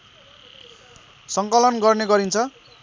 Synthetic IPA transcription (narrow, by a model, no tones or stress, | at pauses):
sʌŋkʌlʌnɡʌrneɡʌɾint͡sʰʌ